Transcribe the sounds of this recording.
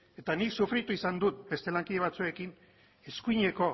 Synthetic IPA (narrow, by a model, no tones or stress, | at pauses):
e̞t̪aniksufɾit̪uisand̪ut̪̚be̞st̪e̞laŋkiðe̞βat͡sue̞kin | e̞skuiɲe̞ko̞